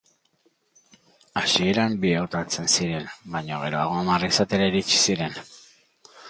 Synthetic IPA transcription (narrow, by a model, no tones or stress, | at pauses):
asie̞ɾambieot̪at͡se̞nsiɾe̞nbajɲoɣ̞e̞ɾo̞aɣ̞o̞amarisat̪e̞ɾaiɾit͡ʃi̥siɾe̞n